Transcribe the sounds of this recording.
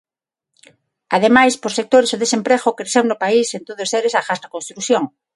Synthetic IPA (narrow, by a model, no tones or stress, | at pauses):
að̞emajspoɾsek̚t̪oɾesoðesempɾeɣokɾeθewnʊpaisent̪oðʊseɾesafast̪akonst̪ɾuθjoŋ